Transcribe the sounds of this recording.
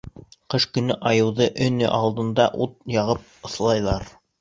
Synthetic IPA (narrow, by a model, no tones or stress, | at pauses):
qɤʃkɵ̆nɵʔɑjɤ̆wðɤʔɵ̆nɵ̰ʔɑlˠd̪ɤ̆nd̪ɑʔut̪̚jɑʁɤp̚ɤ̆slˠɑjlˠɑɾ